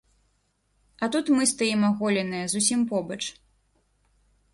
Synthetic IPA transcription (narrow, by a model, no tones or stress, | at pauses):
ɐt̪ut̪mɨst̪ajimaɣɔlʲɛnɨjɐzusʲimpɔbɐt͡ʂ